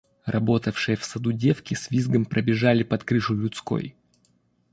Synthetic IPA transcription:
rɐbo̞t̪əfʂɨjəfsɐd̪udʲe̞fkʲɪsʲvʲizɡəmpɾəbʲɪʐalʲɪpɐt̪kɾɨʂʊlʲʊt̪sko̞̰j

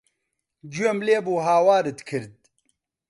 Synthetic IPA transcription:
d͡ʒuemleːbuːɦaːwaːɾɨt̪kʰɨɾd̪̚

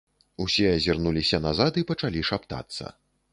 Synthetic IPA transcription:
usʲɛɐzʲirnulʲisʲɐnazat̪ɨpɐt͡ʂalʲiʂapt̪a̰t̪sːɐ̰

